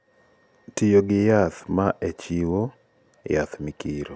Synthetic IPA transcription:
tijoɡɪjat̪maʔet͡ʃiwo | jat̪mikiɾo

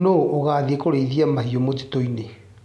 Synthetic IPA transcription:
noʔoɣaðiekoɾeiðiamaɦiomod͡ʑi̥toine

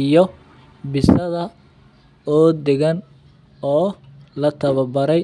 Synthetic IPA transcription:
ɪjɔ | bɪsɐðɐ | ɔːd̪ɛɣɐn | ɔː | lɐt̪ʰɐβɐbɐɾɛ

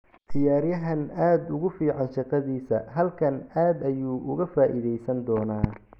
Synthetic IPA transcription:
t̪ʰɪjaːɾjɐɦɐnaːd̪ʊɣʊfiːʕɑnʃɑqɑðiːsɐɦɐlkʰɐnaːd̪ɐjuːʔʊɣɐfaːʔiðɛjsɐnd̪ɔːnaː

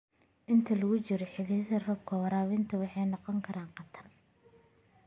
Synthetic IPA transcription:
ʔɪnt̪ʰɐlɐɣʊt͡ʃɪɾɔħɪliðɐrɐb̚kʰɐwɐɾaːβɪnt̪ʰɐwɑħɑjnɑqɔŋkʰɐɾaːɴqɑt̪ʰɐr

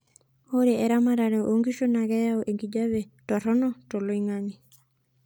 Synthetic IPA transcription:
oɾeɛɾamaɾaɾɛʔoŋɡiʃonaɡɛjaoʔeŋɡid͡ʒaβe | tɔɾɔnɔtoloiŋani

